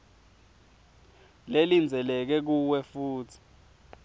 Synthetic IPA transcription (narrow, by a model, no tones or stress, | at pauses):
lelind͡zʱɛlɛk̬ɛk̬uwɛfuːtʰi̥